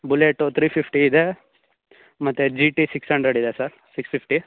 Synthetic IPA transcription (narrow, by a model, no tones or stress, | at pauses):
buleʈːut̪ʰɾiːpʰipʰʈiːd̪e | mɐt̪ːed͡ʒiʈisiksɦɐɳɖɾeɖid̪esɐɾ | sikspipʰʈi